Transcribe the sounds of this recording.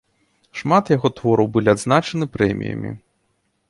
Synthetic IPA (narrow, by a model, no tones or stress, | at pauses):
ʂmat̪jaɣɔt̪vɔɾɐwbɨlʲiad̪znat͡ʂɐnɨpɾɛmʲḭjɐ̰mʲḭ